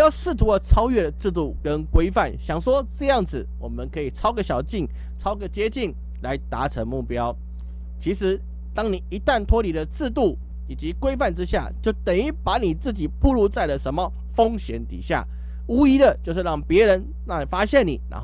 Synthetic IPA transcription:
jʊʂɻ̩˥˩t̪ʰu˧˥ə˨ʈ͡ʂʰɑ˥ʊɥɛ˥˩d̪ə˩t͡sɹ̩˥˧t̪u˥˩kə˦nkwe˥ɪfa˥˩nɕjɑ˨˩ŋʂwɔ˥ʈ͡ʂɤ˥˧jɑ˥˩ŋd͡zɹ̩˨˩wɔ˨˩mə˨˦nkʰɤ˧˦i˨˩ʈ͡ʂʰɑ˥ʊɡə˨ɕjɑ˨˩ʊt͡ɕi˥˩n | ʈ͡ʂʰɑ˥ʊɡə˨t͡ɕjɛ˥t͡ɕi˥˩n | la˧˥ɪt̪a̰˧˥˦ʈ͡ʂʰə˧˥ŋmu˥˩pjɑ˦˥ʊ | t͡ɕʰi˧˥ʂɻ̩˧˦ | t̪ɑ˥ŋni˨˩i˧˥t̪a˥˩nt̪ʰwɔ˥li˨d̪ə˨t͡sɹ̩˥˧t̪u˥˩ | i˨˩t͡ɕi˧˦kwe˥ɪfa˥˩nʈ͡ʂɻ̩˥ɕja̰˥˩t͡ɕjo˥˩ʊt̪ə˨˩ni˥˩pa˧˥˦ni˨˩t͡sɹ̩˥˩t͡ɕi˨˩pʰu˥˦lu˥˧t͡sa˥˩ɪlə˩ʂə˧˦˥nmə˨ | fo˥ŋɕjɛ˧˥nt̪ḭ˨˩ɕja̰˥˩ | u˥i˧˥d̪ə˨t͡ɕjo˥˧ʊʂɻ̩˥˧ɻɑ˥˩ŋpjɛ˨˧˥ɻə˧˦n | na˥˩li˨˩fa˥ɕjɛ˥˨ni˨˩na̰˧˥

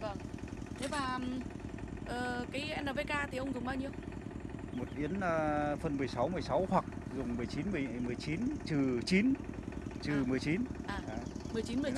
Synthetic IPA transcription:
və˧˩ŋt̪ʰe˨˦vaː˨˩˨ʔəː˨˩kaː˨˦jʔɛ˧na˨˧˩ve˧kaː˧t̪ʰi˨˩ʔə˧wŋ͡mzʊ˨˩ŋ͡mɓaː˧wɲi˧əw | mo˨˩t̚ʔi˨˦ənəː˧fə˧˩nmɨ˨˩əjsa˨˦wmɨ˨˩əjsa˨˦whwa˨˩k̚zʊ˨˩ŋ͡mmɨ˨˩əjt͡ɕi˨˦nmɨ˨˩əjjmɨ˨˩əjt͡ɕi˨˦nt͡ɕɨ˨˩t͡ɕi˨˦nt͡ɕɨ˨˩mɨ˨˩əjt͡ɕi˨˦nʔaː˨˩˨mɨ˨˩əjt͡ɕi˨˦nmɨ˨˩

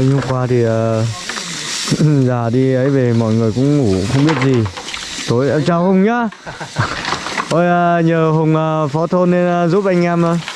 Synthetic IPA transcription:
ə˨˧˦ŋhə˧ŋ͡mkwaː˧t̪ʰi˨˩ʔəː˨˩ | zaː˨˩ɗi˧ʔə˨˦jve˨˩mɔ̰˧˨jŋɨ˨˩əjkʊ̰˧˥ŋ͡mŋu˧˩xə˧wŋ͡mɓi˦˥ət̚zi˨˩ | t̪o˨˧jɛ˧˥t͡ɕaː˨˩whə˧wŋ͡mɲa˨˦ | ʔo˧˩jʔəː˧ɲəː˨˩ɦə˨˩wŋ͡mʔəː˨˩fɔ˨˦t̪ʰo˧nːe˧nʔəː˨˧zu˦˥p̚ʔa˧jŋ̟ʔɛ˧mʔəː˨˦

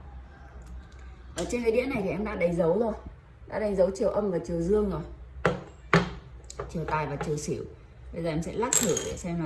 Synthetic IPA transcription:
ʔəː˧˨˩t͡ɕe˧nkəː˨˦ɗḭ˧˥ənːa˨˩jt̪i˨˩ʔɛ˧mɗa̰ː˧˥ɗa˨˦ŋzə˨˦wzo˧˩j | ɗa̰ː˧˥ɗa˨˦ŋzə˨˦wt͡ɕi˨˩əwʔə˧mvaː˨˩t͡ɕi˨˩əwzɨ˧əŋzo˨˩j | t͡ɕi˨˩əwt̪aː˨˩jvaː˨˩t͡ɕi˨˩əwsḭ˧˩˨w | ɓə˧zəː˨˩ʔɛ˧msɛ̰˧˥laː˦˥k̚t̪ʰɨ˧˩˨ɗe˧˨˩sɛ˧maː˨˩

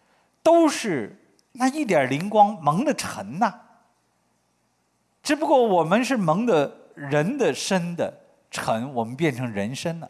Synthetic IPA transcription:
t̪o˥ʊʂɻ̩˥˩ | na˥˧i˥˩t̪̬jɐ˨˩li˧˥ŋkwɑ˥ŋmɤ˧˥ŋd̪ə˨ʈ͡ʂʰə˧˥nnɐ˧ | ʈ͡ʂɻ̩˧˥p̬u˧kwɔ˥˩wɔ˨˩mə˦nʂɻ̩˥˩mɤ˧˥ŋd̪ə˧ | ɻə˧˥nd̪ə˨ʂə˥nd̪ə̰˨ | ʈ͡ʂʰə˧˥nwɔ˨˩mə˦npjɛ˥˩nʈ͡ʂʰɤ˧˥ŋɻə˧˥nʂə˥nnə̰˨

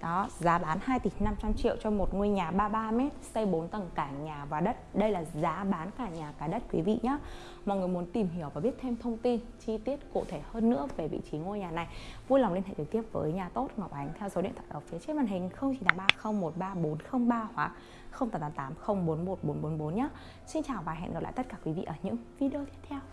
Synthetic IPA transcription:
ɗɔ˨˦zaː˨˦ɓaː˨˦nhaː˧jt̪i˨˩na˧mt͡ɕa˧mt͡ɕḭ˧˨əwt͡ɕɔ˧mo˨˩t̚ŋu˧əjɲaː˨˩ɓaː˧ɓaː˧mɛ˦˥t̚sə˧jɓo˨˦nt̪ə˨˩ŋkaː˧˩ɲaː˨˩vaː˨˩ɗə˦˥t̚ɗə˧jlaː˨˩zaː˨˦ɓaː˨˦nkaː˧˩ɲaː˨˩kaː˨˦jɗə˦˥t̚kwḭ˨˦vḭ˧˨ɲa˨˦ | mɔ̰˨˧˨jŋɨ˨˩əjmu˨˦ənt̪i˨˩mɦi˧˩əwvaː˨˩ɓi˦˥ət̚t̪ʰe˧mt̪ʰə˧wŋ͡mt̪i˧n | t͡ɕi˧t̪i˦˥ət̚ku˧˩t̪ʰe˧˩həː˧nːɨ̰˧˥əve˨˩vḭ˧˨t͡ɕi˨˦ŋu˧əjɲaː˨˩na˨˩jvla˨˩ŋ͡mlnhɛ̰˧˨t͡ɕɨ˨˩k̚t̪i˦˥əp̚vəː˨˦jɲaː˨˩t̪o˦˥t̚ŋə˨˩k͡p̚ʔa˨˦jŋ̟t̪ʰɛ˧wso˨˦ɗḭ˧˨t̪ʰaː˧˩ʔəː˧˩fi˨˦t͡ɕi˦˥vaː˨˩nɦï˨˩ŋ̟xə˧wŋ͡mt͡ɕi˧˩t̪aː˨˦ɓaː˧xə˧wŋ͡mmo˨˩t̚ɓaː˧ɓo˨˦nxə˧wŋ͡mɓaː˧hwaː˨˦ | xə˧wŋ͡mtaː˨˦mt̪aː˨˦mt̪aː˨˦mxə˧wŋ͡mɓo˨˦nmo˨˩t̚ɓo˨˦nɓo˨˦nɓo˨˦nɲaː˨˦ | si˧nt͡ɕaː˨˩wvaː˨˩ɦɛ̰˧˨nɣa˨˩pla̰ː˧˨t̪t̚kaː˧˩kwi˨˦vḭ˧˨ʔəː˧˩ɲɨ̰˧˥ŋvi˧ɗi˧o˧t̪ʰi˦ət̪ʰɛ˧w

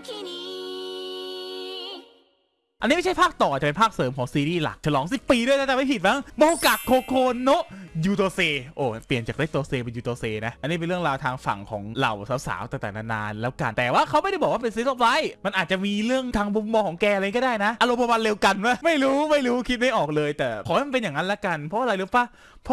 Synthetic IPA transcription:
i˧ | ʔa˧nːi˦˥ma˥˩t͡ɕʰjpʰaː˥˩k̚t̪ɔː˨˩t͡ɕa˨˩pe˧pʰaː˥˩k̚sɤː˩˦mkʰɔː˩˦ŋsiː˧ɾiː˥˩la̰˨˩k̚t͡ɕʰa˧lɔː˩˦ŋsi˨˩pːiː˧ɯ˥˩˨t̪ʰaː˥˩t͡ɕa˨˩ma˥˩pi˨˩t̪̚ma˦˥ŋmɔ˧ka˨˩kʰːoː˧kʰoː˧nːo˦˥juː˧t̪oː˧seː˧ʔoː˧˩pli˨˩ənt͡ɕaː˨˩k̚ɾe˦˥t̪oː˧seː˧pe˧njuː˧t̪oː˧seː˧na˦˥ʔʔa˧nːiː˦˥p̬e˧nɾɯ˥˩əŋɾaː˧wt̪ʰaː˧ŋfa̰˨˩ŋkʰɔ̰ː˩˦ŋɾa̰˨˩wsaː˨˦˥wsa̰ː˩˦wt̪a˧˩ŋt̪ɛː˨˩na˧˩na̰ː˧nlɛː˦˥wka˧nt̪ɛː˨˩waː˥˩kʰa˦˥wm˥˩jdjbɔː˨˩waː˥˧pe˧nsi˦˥sɔ˧˥p̚la˦˥jma˧nʔaː˨˩t͡ɕa˨˩miː˧ɾɯ˥˩əŋt̪ʰaː˧ŋmu˧mːɔː˧kʰɔː˩˦ŋkɛː˧ʔkːdaː˥˩jna˦˥ʔa˧lo˧mo˧ba˧nle˧wka˧nwaː˥˩ma˥˩jɾuː˦˥ma˥˩jɾuː˦˥kʰi˦˥t̪̚na˥˩jʔɔː˨˩k̚lɤː˧jt̪ɛː˨˩kʰɔː˨˦haː˥˩ma˧npe˧njaː˨˩ŋa˦˥lɛ˦˥ka˧npʰɔ˦˥ʔa˧a˧jlu˦˥˩pa˧˥˩ | pʰɔ˦˥

